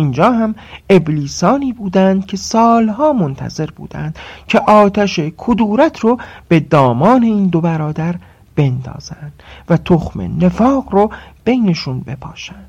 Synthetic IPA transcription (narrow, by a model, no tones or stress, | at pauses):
iːnd͡ʒɒːɦæme̞bliːsɒːniːbuːd̪ænd̪̥cʲʰe̞sɒːlɦɒːmont̪ʰæ̰ze̞ɾbṵːd̪æ̰nd̪̥cʰeʔɒːt̪ʰæʃekʰod̪uːɾæt̪ʰɾob̥e̞d̪ɒːmɒːne̞iːnd̪obæɾɒːd̪æɾ | b̥e̞nd̪ɒ̰ːz̥ænd̪̥væt̪ʰoxmḛne̞fɒːɢɾob̥e̞jneʃunbe̞pʰɒːʃænd̪̥